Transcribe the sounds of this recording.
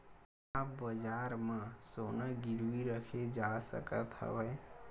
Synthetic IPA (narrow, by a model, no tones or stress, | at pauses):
apbəd͡ʒaɾmə̃sonəɡiɾuiɾəkʰed͡ʒasə̰kət̪ɦə̰bəe